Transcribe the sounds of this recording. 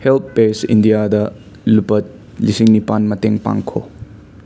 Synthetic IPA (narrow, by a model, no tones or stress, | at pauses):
help̚ʰpesḭndijadɐ | lupɐt̚ | lisiŋnipanmɐteŋpa̰ŋkʰo